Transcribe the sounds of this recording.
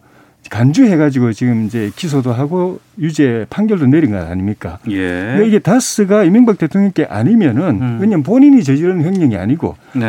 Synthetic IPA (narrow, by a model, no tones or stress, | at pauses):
kand͡ʑuɦe̞ɡad͡ʑiɡot͡ɕiɡɯmid͡ʑe̞kis̬ʰodoɦaɡo | jud͡ʑe̞pʰaŋɡjʌɭdoneɾinɡa̰ɾa̰ɲimɲik͈a̰jendeiɡe̞tas͈ɯɡaimiŋbak̚t͈e̞tʰoŋɲʌŋk͈e̞ʔa̰ɲimjʌnɯnwɯɲʌnp̬oɲiɲit͡ɕʌd͡ʑiɾʌnɯnjʌŋɲʌŋia̰ɲiɡo̰